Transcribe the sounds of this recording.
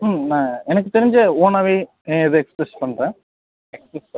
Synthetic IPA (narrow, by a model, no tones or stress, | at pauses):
nãːɛnɐk̬ːɯt̪ːeɾɪɲd͡ʒɐoːnɐʋe | iðɨekspɾespɐɳːɾẽː | ekspɾesɐ